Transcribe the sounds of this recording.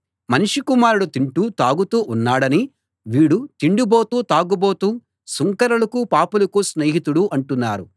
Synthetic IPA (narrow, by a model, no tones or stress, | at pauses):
mɐniʂikumaːɾuɽut̪iɳʈuːt̪aːɡut̪uːʔunːaːɽɐni | ʋiːɽut̪iɳɖuboːt̪uːt̪aːɡuboːt̪uː | suŋkɐɾɐlɐkupaːpulɐkusneːɦit̪uɽuʔɐɳʈunːaːɾu